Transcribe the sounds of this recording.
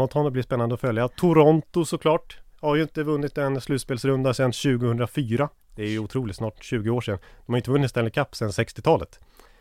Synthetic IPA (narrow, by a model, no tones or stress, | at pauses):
ɔt̪ʰhɔnːɔblɪspɛnːand̪əɔfœljat̪ʰʊɾɔnt̪ʊsɔkʰlɑːʈhaɾjɪnt̪əvɵnːɪt̪ɛnslʉ̟ːt̪speːlsɾɵnd̪asɛnɕʉ̟ːɡəhɵnd̪ɾafyːɾa | d̪̥ɛæɾjɵʊt̪ʰɾuːlɪt̪snɑːʈɕʉ̟ːɡəoːʂɛnːd̪ɔmhaɾʏnt̪əvɵnːɪt̪st̪ɛləkʰapːsɛnːsɛkst̪ɪt̪ʰɑːlə̰t̪